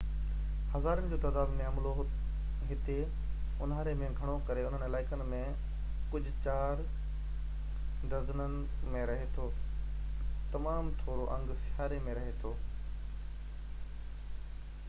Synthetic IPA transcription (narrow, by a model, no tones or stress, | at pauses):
hɐzaːɾənɪ̆d͡ʑoːt̪ɐːd̪aːd̪mẽɐmloɦ | ɦɪt̪e | ʊnɦaːɾemẽɡʱɐɽ̃okɐɾeʊn̤ənɪlaːɪkənɪ̆mẽ | kʊd͡ʑʱʊ̆t͡ɕaːɾ | d̪ɐznənɪ̆mẽɾɐɦet̪ʰoː | t̪ɐmaːmt̪ʰoːɾoʔɐ̃ŋɡsɪɦaːɾemẽɾɐɦet̪ʰoː